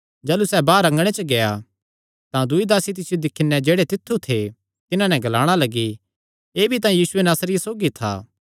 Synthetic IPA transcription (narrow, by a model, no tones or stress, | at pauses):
d͡ʒɐːlusɛbaːɾɐ̃ŋɡɽ̃et͡ʃəɡeja̰ | t̪ãd̪ʊid̪aːsit̪̬ɪsid̪ɪkʰːɪnɛd͡ʒeːɽet̪ɪt̪ʰːut̪ʰe | t̪ɪnãnɛ̃ɡɐlaːɽ̃alɐɡi | eːbʱit̪ãjiːsʊenaːsɾɪjasoːɡit̪ʰa̰ː